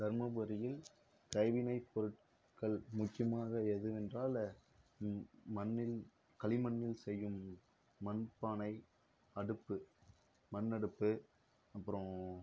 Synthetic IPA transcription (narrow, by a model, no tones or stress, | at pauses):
d̪̥ɐɾmɐʋɯɾɪjɪl | kɐɪʋɪnɐɪpɔɾɯʈ | kɐɭmʊt͡ʃːɪjɐmaːɣɐɛðɯɛndraːl | mɐnːɪl | kɐɭɪmɐnːɪlsɛjːɯmː | ɐnpːaːnɐɪ | ɐɽɯpːɯ | mɐnːɐɽɯpːɯ | ɐpːɯɾõ